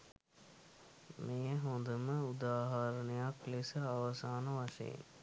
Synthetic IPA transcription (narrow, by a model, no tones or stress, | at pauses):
mejəɦond̪əməud̪aːɦaɾɐnejaklisəaʋɐsaːnəʋɐʂɐ̰jḭn